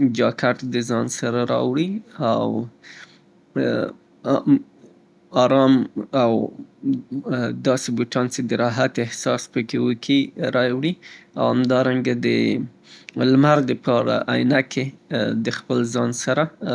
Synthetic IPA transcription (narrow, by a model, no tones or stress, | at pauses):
d͡ʒɑkaʈd̪əzɑnsaɾaɾɑ̰wɽiaw | ɑɾɑmaw | d̪ɑsebuʈɑnt͡ʃed̪əɾɑɦat̪ɪhsɑspəkewəkʰiɾɑwɽia̰whamd̪ɑɾaŋɡad̪ə | lmaɾd̪əpɑɾa̰ʔajnakʰed̪əxpəlzɑnsaɾa